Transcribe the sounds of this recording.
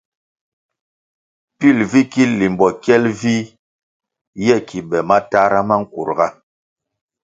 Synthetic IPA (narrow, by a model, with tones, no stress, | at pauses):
pi˦˨lvi˦ki˦li˨mbɔ˨kjɛ˦lvi˦ | jɛ˦˨kʰi˨bɛ˨ma˦ta˦ɾa˦ma˦ŋ̩˦kṵ˨ɾɡa˦